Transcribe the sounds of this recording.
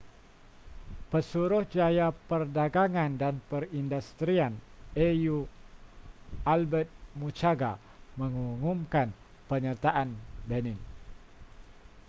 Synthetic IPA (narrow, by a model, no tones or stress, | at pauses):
pəsuɾʊhd͡ʒajapərdaɡaŋandanpərindust̪ɾianeju | albɛt̪̚mut͡ʃaɡa | məŋuŋumkan | pəɲərt̪aʔanbənɪn